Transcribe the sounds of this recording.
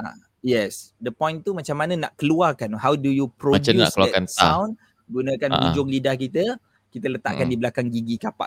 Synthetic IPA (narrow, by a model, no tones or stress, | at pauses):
a̰ | jɛsdəpɔ̃jnt̪umat͡ʃamːanə̃na̰ʔkəluarkanɦawdujupɾoad͡ʒauna̰kəluakansawn | ɡunə̃kanbud͡ʒʊŋlidahkit̪ə | kit̪ələt̪a̰ʔkandibəlakaŋɡiɡikapa̰ʔ